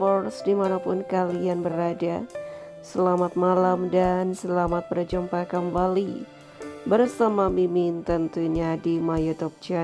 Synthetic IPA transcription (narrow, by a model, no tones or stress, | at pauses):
fɔrsdimanapʊnkalianbəɾada | səlamat̪̚malamdansəlamat̪̚pərd͡ʒumpakəmbali | bərsamamimint̪ənt̪uɲadimajut̪ɔp̚t͡ʃɛ